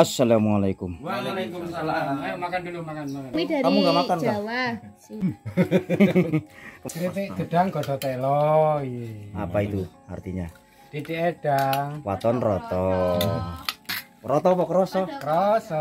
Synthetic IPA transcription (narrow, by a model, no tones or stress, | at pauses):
asːalamualakʊmwaalkumsalamakandlumakandaamuɡamak̪ankaa | kɾit̪ed̪̥əd̥aŋɡɔd̪ɔt̪ɛlɔia̰pait̪u | a̰rt̪iɲa | d̥idiʔeɖ̥aŋwat̪ɔnrɔt̪ɔ | ɾɔt̪ɔpɔkəɾɔsɔkəɾɔsɔ